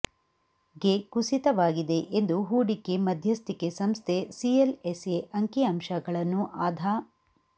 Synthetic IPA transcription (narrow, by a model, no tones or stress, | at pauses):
ɡekusit̪ɐʋaːɡid̪e̞ʔend̪uɦuːɽikːemɐd̪ʱjɐst̪ikesɐmst̪ʰesieleseʔɐŋkiɐmʃɐɡɐɭɐnːuʔaːd̪ʱaː